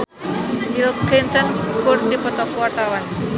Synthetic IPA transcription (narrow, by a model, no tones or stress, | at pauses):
bilklɪnt̪ɔnkʊrt̪dipɔt̪ɔkuwart̪awan